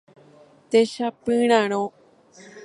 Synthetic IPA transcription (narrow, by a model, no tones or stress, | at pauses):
t̪eʃapɨ̃ɽ̃ãɽ̃õ